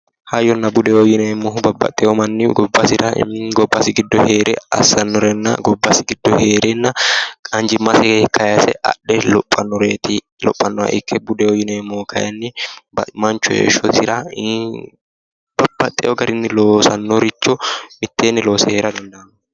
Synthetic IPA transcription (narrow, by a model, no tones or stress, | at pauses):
hɐjɔnːɐbʊd̪ɛwɔjɪnɛmːɔɦʊbɐbːɐ̰t̪ʼːɛjɔmɐnːɪɡɔbːɐsɪɾɐ̰ɡɔbːɐsɪɡɪd̪ːɔhe̞ːɾɛɐ̰sːɐnːɔɾɛnːɐ̰ɡɔbːɐsɪɡɪd̪ːɔheːɾɛnːɐɐnd͡ʒɪmːɐsɛkʰɐjɐsɛ̰ʔɐ̰ɗːɛlɔpʼːɐnːɔɾeːt̪ɪ | lɔ̰pʼːɐnːɔɐ̰ʔɪkʰːɛbʊd̪ɛɔjɪnɛmːɔkʰɐjɐ̰nːɪbɐmɐnt͡ʃːʊjḛːʃɔt̪ɪɾɐ | b̥ɐb̥ːɐt̪ʼːɛjɔɡɐɾɪnːɪlo̞ːsɐnːɔɾɪt͡ʃːɔmɪt̪ːeːnːɪlo̞ːsɛheːɾɐd̪ɐnd̪ɐɐm